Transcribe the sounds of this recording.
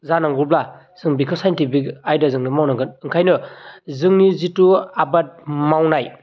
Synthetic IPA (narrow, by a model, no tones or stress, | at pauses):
zanaŋɡuɾbla | z̥ɯŋbikʰɯsajntipikajdazɯŋnɯmawnaŋkʰɯnɯŋkʰajnɯzɯŋnizituabat̚mawnaj